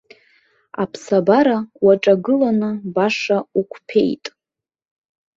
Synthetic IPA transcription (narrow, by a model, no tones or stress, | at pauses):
a̰pʰsabaɾawaʈ͡ʂʼaɡɨlanɨbaʂaukʷʰpʰe̞̰jtʼ